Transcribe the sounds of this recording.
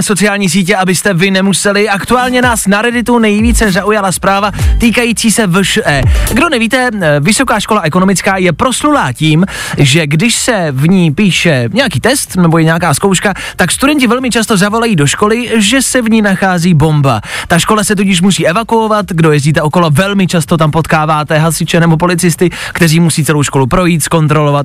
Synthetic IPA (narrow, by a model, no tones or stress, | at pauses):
so̞t͡sɪaːlɲiːs̬iːc̬ɛʔabɪst̪ɛvɪnɛmusɛlɪʔakt̪uaːlɲɛnaːsnaɾɛdɪt̪unɛjviːt͡sɛzaʔujalaspɾaːvat̪iːkajit͡siːsɛvəʃʔɛːɡdo̞nɛviːt̪ɛvɪso̞kaːʃko̞laʔɛkono̞mɪt͡skaːjɛpɾo̞slulaːciːmʒɛɡdɪʃsɛvɲiːpiːʃɛɲɛjakiːt̪ɛst̪nɛbojɛɲɛjakaːskowʃka | t̪akst̪udɛɲc̬ɪvɛlmɪt͡ʃast̪o̞zavo̞lajiːdo̞ʃko̞lɪʒɛsɛvɲiːnaxaːziːbo̞mba̰t̪aʃko̞lasɛt̪ucɪʃ̬musiːʔɛvakuovat̪ɡdo̞jɛzɟiːt̪̬ɛʔoko̞lovɛlmɪt͡ʃast̪o̞t̪ampot̪kaːvaːt̪ɛɦasɪt͡ʃɛnɛbop̬o̞lɪt͡sɪst̪ɪkt̪ɛriːmusiːt͡sɛlo̞wʃko̞lupɾo̞jiːt̪sko̞nt̪ɾo̞lo̞vat̪̚